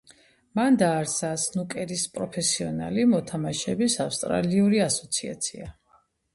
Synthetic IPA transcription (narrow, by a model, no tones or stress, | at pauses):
mand̪aːɾsasnukʼɛɾispʼɾɔpʰɛsiɔna̰limɔt̪ʰamaʃɛbisafst̪ʼɾa̰liuɾiasɔ̥t̪sʰia̰t̪sʰia